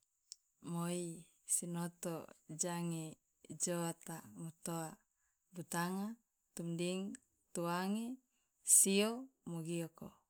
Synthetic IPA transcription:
moi | sinot̪o̰d͡ʒaŋe | d͡ʒoat̪amut̪oa | but̪aŋa | t̪umdiŋ | t̪uaŋe | siomoɡioko

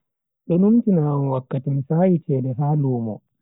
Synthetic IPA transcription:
ɗɔnumtinaːmwakːatimisaːjit͡ʃɛːdɛɦaːluːmɔ̰

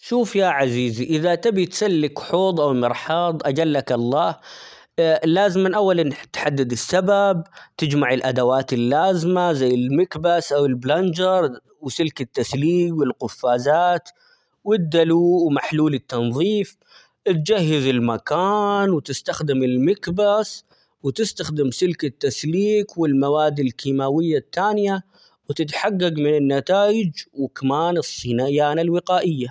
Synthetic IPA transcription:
ʃuːfjaʕaziːziʔɪðat̪abit̪salːɪkħoːd̪ˤʔawmɪɾħɑːd̪ˤʔad͡ʒalːakɑlˤːɑːh | lːaːzmɪnʔawːalant̪ħad̪ːad̪ɪsːababt̪ɪd͡ʒmaʕɪlʔad̪awaːt̪ɪlːaːzɪmazajːɪlmɪkbasʔawɪlbland͡ʒɑɾˤ | wsɪlkɪt̪ːasliːbwɪlqʊfːaːzaːt̪ | wɪd̪ːaluːʔwmaħluːlɪt̪ːɑnðˤiːf | ʔɪt̪̚d͡ʒahːɪzɪlmakaːnwɪt̪ɪst̪axd̪ɪmɪlmakbas | wɪt̪ɪst̪axd̪ɪmsɪlkɪt̪ːasliːkwɪlmawaːd̪ɪlkiːmawɪjːat̪ːaːnɪja | wɪt̪ɪt̪ħaɡːaɡmɪnɪnːat̪aːjɪd͡ʒwɪkamaːnɨsˤːinajaːnalwɪqaːʔɪjːa

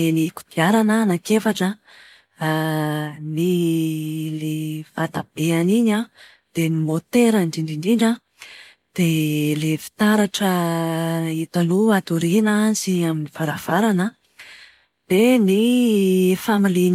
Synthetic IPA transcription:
eniku̥d̪̥iaɾanənakefaʈ͡ʂə | ni | levat̪ab̥eaniɲa | d̪̥enimot̪eɾaɳɖ͡ʐiɳɖ͡ʐiɳɖ͡ʐiɳɖ͡ʐa | d̪̥elefi̥t̪aɾaʈ͡ʂə | it̪aluat̪uɾinaziaminiv̥aɾav̥aɾanə | d̪̥eni | familiɲ

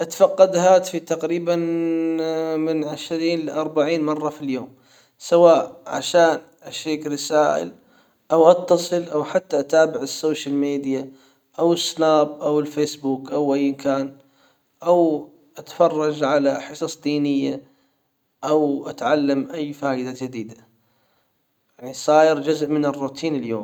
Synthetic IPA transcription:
ʔat̪fɑqːɑd̪haːt̪fit̪aqɾiːban | mɪnʕaʃɾiːnlɪʔɑɾˤbaʕiːnmɑrˤːɑfiljoːm | sawaːʔʕa̰ʃaːn | ʔaʃeːkɾɪsaːʔɪ̰l | ʔawʔɑt̪ːɑsˤɨlʔawħat̪ːaʔat̪aːbɪʕɪsːoːʃalmeːd̪ija | ʔawɪsːnaːbʔawɪlfeːsbuːkʔawʔajːɪmkaːn | ʔaw | ʔat̪ḁfɑrˤːɑd͡ʒʕalaħɨsˤɑsˤd̪iːnɪjːa | ʔawʔat̪ʕalːamʔajːfaːjɪd̪ad͡ʒad̪iːd̪a | jaʕnisˤɑːjɪɾd͡ʒʊzʔmɪnɪrːuːt̪ʰiːnɪljoːm

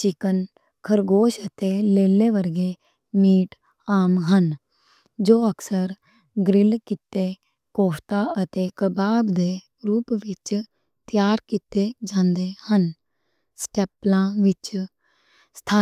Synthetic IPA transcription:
t͡ʃɪkən | kʰəɾɡoːʃət̪eːleːleːʋəɾɡeː | miːʈ | aːmɦən | d͡ʒoːəkʰsəɾ | ɡɾɪlkɪt̪eː | koːpʰt̪aːət̪eːkəbaːbd̪eː | ɾuːpʋɪt͡ʃ | t̪ɪjaːɾkiːt̪ed͡ʒãːnd̪eːhən | sʈɛːplãːʋɪt͡ʃ | st̪ʰaː

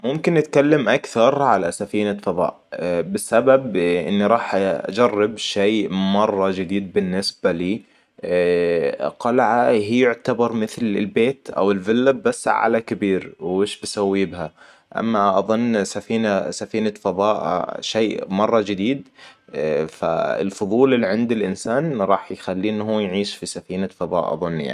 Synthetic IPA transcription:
mʊmkɪnʔɪt̪kalːamʔakθɑɾˤʕalasafiːnafɑðˤɑ̰ːʔbɪsːababʔɪ̰nːiɾˤɑːħa̰d͡ʒɑrˤːɪbʃeːmɑrˤːɑd͡ʒɪd̪iːd̪̚bɪnːɪsbaliː | qɑlʕaɦijʊʕt̪abɑɾˤmɪθlɪlbeːt̪ʔa̰wɪlvɪlːabːasːʕa̰lakɪbiːɾwʔeːʃbasawːibha | ʔa̰mːaʔɑðˤʊnːsafiːnasafiːnafɑðˤɑːʔʃeːmɑrˤːɑd͡ʒɪd̪iːd̪̚ | fa̰ɪ̰lfʊðˤuːlɪlːiʕɪnd̪ɪlʔɪnsaːnɾˤɑːħjxalːiːnːhuːjʕiːʃfisafiːnafɑðˤɑ̰ːʔɑ̰ðˤʊnːja̰ʕ

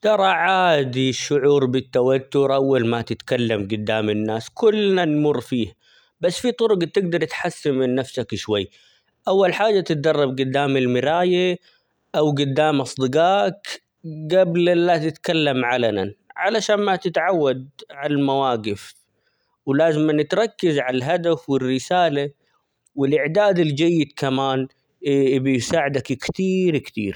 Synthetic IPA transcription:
t̪ɑɾˤɑʕaːd̪iʃːʊʕuːɾbɪt̪ːawat̪ːʊɾʔawːalmat̪ɪt̪kalːamɡʊd̪ːaːmɪnːaːskʊlːnanmʊrˤːfiːh | basːfit̪ˤʊɾʊɡt̪ɪɡ̚d̪ɑɾˤt̪ħasːɪmɪnːafsakʃwajː | ʔawːalħaːd͡ʒːat̪ɪt̪̚d̪ɑrˤːɑbɡʊd̪ːaːmɪlmɪɾaːja | ʔawɡʊd̪ːaːmʔɑsˤd̪ˤɨɡaːk | ɡablʔɪlːat̪ɪt̪kalːamʕalana̰nʕalaʃaːnmat̪ɪt̪ʕawːad̪̚ʕalalmawaːɡɪf | wlaːzɪmanɪt̪ɾˤɑkːɪzʕalalɦad̪afwɪrːɪsaːla | wɪlʔɪʕd̪aːd̪ɪld͡ʒajːɪd̪kamaːn | bɪjsaːʕɪd̪akkt̪iːɾkt̪ḭːɾ

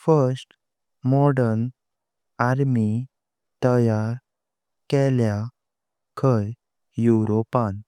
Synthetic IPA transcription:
fəɾsʈ | mɔɽəɾn | aɾmi | t̪əjaɾ | kɛlja | kʰəj | juɾɔpan

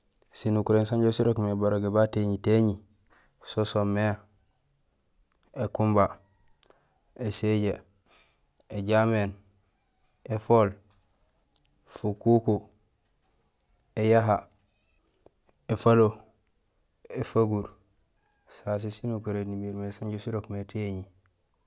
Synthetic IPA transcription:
sinukuɾensaɲɟosiɾokmebaɾoɡebateɲiteɲi | sosomːea | ekumba | eseɟe | eɟamen | efol | fukuko | ejaɦa | efalo | efaɡuɾ | sas̬isinukuɾenimiɾmesaɲɟusiɾokmeteɲi

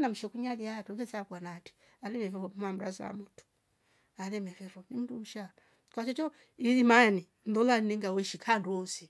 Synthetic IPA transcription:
nam̩uʃɛkuɲaliatuvɛsakwanati̥ | alɛmɛfɛvɔmmam̩ɾa̰za̰a̰mutu̥ | alɛmɛfɛfɔnimudum̩ʃa | kwat͡ʃɔt͡ʃɔ | iimani | ndɔlaniŋɡawɔiʃikʰanduɔsi

